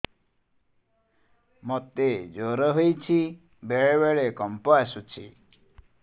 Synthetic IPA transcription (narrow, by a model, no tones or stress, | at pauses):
mɔt̪ed͡ʒoɾɔɦojt͡ʃʰi | beɭebeɭekɔmpɔasut͡ʃʰḭ